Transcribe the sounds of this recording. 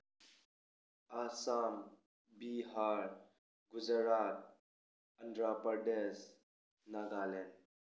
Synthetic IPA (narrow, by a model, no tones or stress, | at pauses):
asam | biɦaːɾ | ɡʊd͡ʒəɾat̪̚ | əɳɖɾapəɾɖes | naɡaːlen